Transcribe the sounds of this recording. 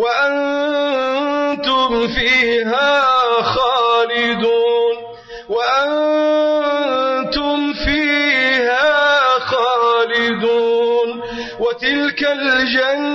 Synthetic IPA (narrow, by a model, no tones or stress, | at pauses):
waʔan | t̪ʊmfiːɦaːxaːlɪd̪uːn | waʔan | t̪ʊmfiːhaːxaːlɪd̪uːn | wat̪ɪlkald͡ʒan